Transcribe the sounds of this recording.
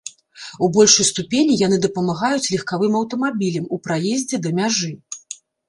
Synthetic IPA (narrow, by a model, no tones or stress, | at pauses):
ubɔlʲʂɨjst̪upʲenʲijan̪ɨd̪ɐpɐmaɣajut͡sʲlʲɛxkavɨmɐwt̪ɐmabʲilʲɐmupɾajezʲd͡zʲɛd̪ɐmʲaʐɨ